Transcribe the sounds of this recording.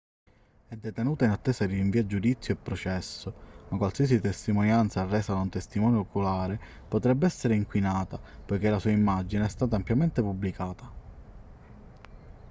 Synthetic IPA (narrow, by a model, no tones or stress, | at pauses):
ɛd̪ːet̪enuːt̪ainat̪ːeːsad̪iiɱviːad͡ʒud̪it̪sːjoepːɾɔt͡ʃɛsːomakwalsiːas̬it̪est̪imonjant̪sarːɛːsad̪aunt̪est̪imɔːnjookulaːɾe | pot̪ɾɛbːeɛsːeɾeiŋkwinaːt̪apojk̟elasuːaimːad͡ʒineɛst̪aːt̪̬ampjament̪epubːlikaːt̪a